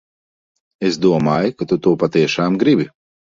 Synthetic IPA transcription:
esd̪uɔmaːjkat̪ut̪uːpat̪iɛʃaːmɡɾibʲi

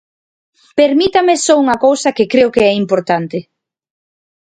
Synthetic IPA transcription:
peɾmit̪ɐmɪsɔuŋɐkowsɐkɪkɾeʊkeɛimpoɾt̪ant̪ɪ

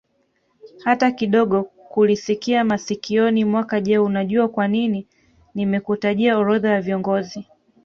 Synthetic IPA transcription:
hatakiɗɔɠɔ | kulisikiamasikiɔnimwakaʄɛunaʄuakwanini | nimɛkutaʄiaɔɾɔðawaviɔŋɡɔzi

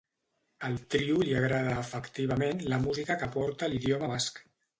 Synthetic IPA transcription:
əlˠt̪ɾiuliəɣɾaðəːfəkt̪iβ̞əmenləmuzikəkəpɔɾt̪əliðjoməβask

